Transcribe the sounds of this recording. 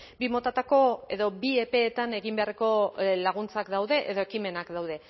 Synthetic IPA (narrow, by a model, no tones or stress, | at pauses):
bimo̞t̪at̪ako̞e̞ðo̞bie̞pe̞ːt̪ane̞ɣimbe̞areko̞laɣ̞unt͡sakd̪awðe̞ʔeðo̞e̞kime̞nakd̪awðe̞